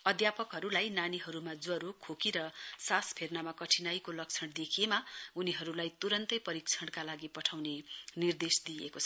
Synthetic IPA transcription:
ʌd̪japʌkɦʌɾulajnaniɦʌɾumad͡zwʌɾokʰokiɾʌsaspʰernamakʌʈʰinajkolʌkt͡sʰʌɽd̪ekʰiemauniɦʌɾulajt̪uɾʌnt̪ʌjpʌɾik̚t͡sʰʌɽkalaɡipʌʈʰawnenird̪esd̪ijekot͡sʰʌ

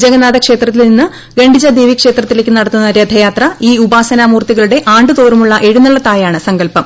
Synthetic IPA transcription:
d͡ʑɐɡɐnaːðɐkʂe̞ːt̪rɐt̪ːilninːɨ | ɡɐɳɖid͡ʑɐd̪eːʋiɐkʂe̞ːt̪rɐt̪ːile̞ːkʲːɨnɐɽɐt̪ːunːɐɾjɐd̪ʱɐjaːt̪rɐiːubaːsɐnaːmuːrt̪iɣɐɭuɽe̞ʔaːɳɖɨt̪oːrumuɭːɐʔe̞ɻunɐɭːɐt̪ːaːjaːɳɨsɐŋɡɐlpɐm

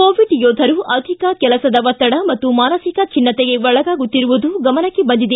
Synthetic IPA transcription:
koːʋiɖjoːd̪ʱɐɾuʔɐd̪ʱikɐkɛlɐsɐd̪ɐʋɐt̪ːɐɽɐmɐt̪ːumaːnɐsikɐt͡ʃʰinːɐt̪eɡe̞ʋɔɭɐɡaːɡut̪ːiɾuʋud̪uɡɐmɐnɐkːebɐnd̪id̪e

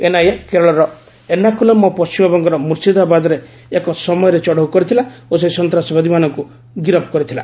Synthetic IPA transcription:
enajekeɾɔɭɔɾɔ | enakulemɔpɔst͡ʃimɔbɔŋɡɔɾɔmuɾsid̪abad̪ɔɾeː | kɔsɔmɔjɔɾet͡ʃɔɽawkɔɾit̪ʰilaosesɔnt̪ɾasɔbad̪ʱimanɔŋku | ɡiɾɔpɔkɔɾit̪ʰila̰

